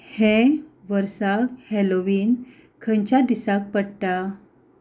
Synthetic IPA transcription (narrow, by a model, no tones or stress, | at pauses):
hẽʋəɾsakheloʋiːn | kʰəɲt͡ɕad̪isak̚pəɽʈ̪a